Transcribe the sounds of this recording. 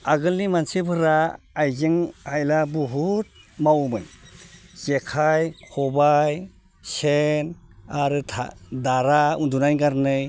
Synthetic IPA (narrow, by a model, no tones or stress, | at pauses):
aɡɯlnimansibʰɯɾaː | jzeŋhajlabɔɦut̚mawmɯn | z̥ekʰajkʰɔbaj | senaɾɯtʰa̰daɾaundunajɡaɾnɯj